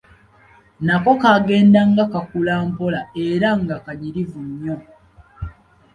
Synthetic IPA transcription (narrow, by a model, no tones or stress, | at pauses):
nako̞kaɡe̞ːndaŋɡakakulaːmpo̞lae̞ɾaŋɡakaɲiɾivuɲːo̞